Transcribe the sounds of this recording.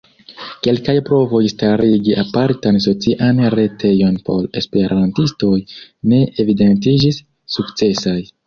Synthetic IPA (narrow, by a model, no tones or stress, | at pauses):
ke̞lkajpɾo̞vo̞jstaɾiɡiʔapaɾtanso̞t͡siʔanɾe̞tʰe̞jo̞npʰo̞̰ɾe̞spe̞ɾʔantisto̞jne̞evide̞nt̬id͡ʒisː | ukt͡se̞saj